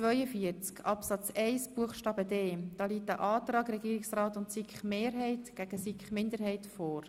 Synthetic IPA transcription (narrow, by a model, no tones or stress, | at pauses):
t͡sʋœʏəfiəɾt͡skɑpsɑt͡sɛɪsb̥uəχʃtɑːbədeːd̥ɑːliːtəʔɑːt̪rɑːɡrɛɡiːɾɪksrɑːtʊntsikχmeːɾɦɛɪtɡ̥æɡ̥əsikχmɪndəɾɦɛɪtfɔːr